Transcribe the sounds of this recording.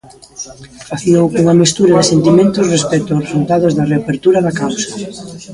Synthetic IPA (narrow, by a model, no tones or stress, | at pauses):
faθinowkuŋamist̪uɾaðɪsent̪imẽnt̪osrespɛt̪oaresult̪aðozðareapeɾt̪uɾaðakawsɐ̥